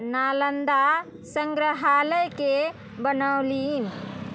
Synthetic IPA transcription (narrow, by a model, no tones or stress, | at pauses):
nalənd̪a | səŋɡɾəɦaləjke | bənəwlin